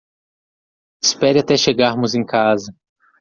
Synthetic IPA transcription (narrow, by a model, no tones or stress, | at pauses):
ɪspɛɾɪat̪ɛʃeɡaɾmʊzẽj̃kazɐ